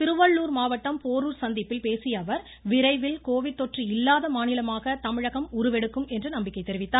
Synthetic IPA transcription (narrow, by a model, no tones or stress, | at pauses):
t̪ɪɾɯʋɐɭːuːɾmaːʋɐʈːɐmpoːɾuːɾsɐnd̪ɪpːɪlpeːsɪjɐʋɐɾ | ʋɪɾɐɪʋɪlkoːʋɪt̪ːɔʈriɪlːaːðɐmaːnɪlɐmaːɣɐt̪ɐmɪɻɐɣɐmʊɾɯʋɛɽɯkːɯmɛndrɯnɐmbɪkːɐɪt̪ːɛɾɪʋɪt̪ːaː